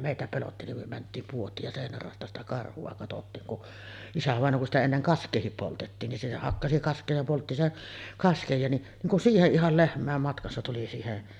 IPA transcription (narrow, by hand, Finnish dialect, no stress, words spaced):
meˑitæ pelotːi nim myø mæntˑiːm puotˑiːk jɑ seˑinær rɑˑostɑ sitæ kɑrhuɑ kɑtotːiːŋ kun isæʋɑˑenˑoː kun sitæ enːeŋ kɑskˑeːhip poltetːiːn ni se hɑkːɑsi kɑskˑeː jɑ poltːi sen kɑskej jɑ niʔ niːŋ kun siːheʔ ʔihɑl lehmˑæˑem mɑtkɑsːɑ tuli siːheʔ